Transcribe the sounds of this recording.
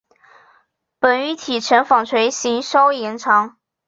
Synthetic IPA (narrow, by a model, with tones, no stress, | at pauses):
pə˨˩ny˧˥t̪ʰi˨˩ʈ͡ʂʰə˧˥nfɑ˨˩ŋt͡sʰwe˧˥ɪɕi˧˥ŋʂɑ˥ʊjɛ˧˥nʈ͡ʂʰɑ˧˥ŋ